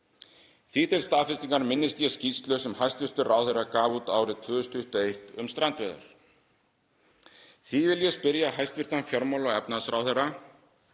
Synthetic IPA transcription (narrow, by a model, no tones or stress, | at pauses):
θiːt̪ɪlst̪aːfɪst̪iŋkaɾmɪnːɪst̪jɛscist̪lœsɛmhajst̪vɪr̥t̪ʏraːwθejrakaːvut̪aːwɾɪðt̪ʰvʏːðʏst̪ʏht̪ʏejht̪ʏ̰mst̪ɾant̪vɛːðʏ̰ɾ̥ | θivɪljɛspɪɾjaɦajst̪vɪr̥t̪anfjɔɾmawlɔɣɛpnasɾawθɛrːa